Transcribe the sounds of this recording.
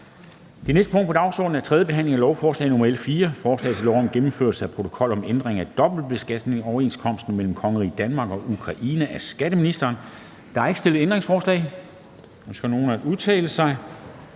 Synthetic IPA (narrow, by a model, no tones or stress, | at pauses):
d̥e̝nesd̥əpʰɔ̽ŋ̰d̥̚pʰɒd̥ɑ̈ʊsɒ̰ːd̥n̩æɐt͡sʰʁɛðˠjəb̥e̝ɦæn̰le̝ŋælɒʊfɒːslɛ̰ɪnomɐelfiːɐfɒːslɛ̰ɪt͡sʰelɒʊɒmɡ̥emm̩føɐ̰lsəæpʰot͡sʰo̝̥kʰɒ̽l̰ɒ̽mend̥ʁeŋæd̥ɒ̽b̥l̩̥̚b̥e̝sɡ̥æd̥ne̝ŋɒʊɐe̝ːnskʰɒ̽m̰sd̥n̩mel̰m̩kʰɒ̽ŋəʁḭːd̥ænmɑ̈ːɡ̥ɒ̽ʔukʰʁɑ̈ʔiːnəʔæsɡ̥æɾ̥əminisd̥ɐːn | d̥ɑ̈æɐeɡ̥əsd̥e̝l̰ð̩ˠend̥ʁe̝ŋsfɒːslɛ̰ɪ | ɒmsɡ̥æno̝ːn̩æuðˠt͡sʰɛ̰ːləsɑ̈ɪ